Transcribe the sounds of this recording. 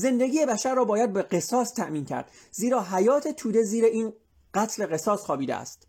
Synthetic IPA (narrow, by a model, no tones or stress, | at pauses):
ze̞nd̪eɡiːjebæʃæɾːɒːbɒːjæd̪̚beɢe̞sɒːst̪ʰæʔmiːncʰæ̰ɾd̪̥ | ziːɾɒːɦæjɒːt̪ʰet̪ʰuːd̪e̞ziːɾeiːn | ɢ̥æt̪ʰle̞ɣe̞sɒːsxɒːbiːd̪eæ̰st̪